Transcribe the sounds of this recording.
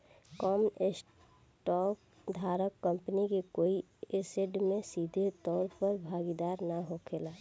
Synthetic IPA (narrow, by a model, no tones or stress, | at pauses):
kɔːmes | ʈɔːk | d̪ʱaːɾəkːə̃mpənikekoːi | eseɖmẽsiːd̪ʱet̪ɔːɾpəɾbʱaːɡid̪aːɾnaɦokʰelaː